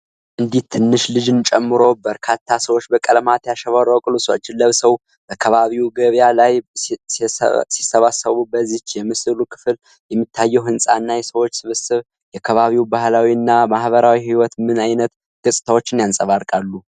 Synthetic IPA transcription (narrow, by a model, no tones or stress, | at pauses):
ʔɨnd̪it̪ʰːɨnːɨʃlɨd͡ʒɨnt͡ʃʼɛmːɨɾo̞bəɾkʰat̪ʰːasəwot͡ʃːbəkʼəlmat̪jaʃəβaɾowkʼɨluso̰t͡ʃːɪnlːəβsəw | b̥əkʰəβaβiwuɡəβjalaj̰ | si̥sːəβasəβubəzit͡ʃːjɛmɨsɨlukʰɨ̥fɨl | jɛmːit̪ʰːajːɛwɦɨnsʼaɨnːajɛsəwo̞t͡ʃːsɨβɨsɨβ | jɛkʰəβaβiwubahlawiɨnːamahβəɾawihiwɔt̪mɨnajnət̪ | ɡ̥əsʼɨ̥t̪ʰawo̞t͡ʃːɪnjansʼəβaɾkʼalːu